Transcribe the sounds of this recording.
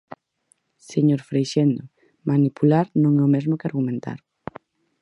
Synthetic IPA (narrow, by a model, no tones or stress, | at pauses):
seɲoɾfɾejʃend̪o | manipulaɾnõŋɛʊmɛzmokɪaɾɣumẽnt̪a̰ɾ